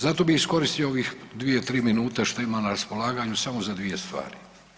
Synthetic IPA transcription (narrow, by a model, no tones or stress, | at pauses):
zat̪o̞bixisko̞ɾist̪ijooʋixd̪ʋijet̪ɾiːminuːt̪eʃt̪o̞imanaɾaspo̞lˠaːɡaɲusamo̞zad̪ʋije̞st̪ʋa̰ːɾi